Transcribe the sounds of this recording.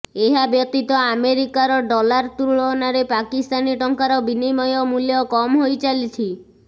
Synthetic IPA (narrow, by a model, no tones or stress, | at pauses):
eɦabjɔt̪it̪ɔameɾikaɾɔɖɔlaɾt̪uɾuɭɔnaɾepakist̪aniʈɔŋkaɾɔbinimɔjɔmuljɔkɔmɦojt͡ʃalit͡ʃʰi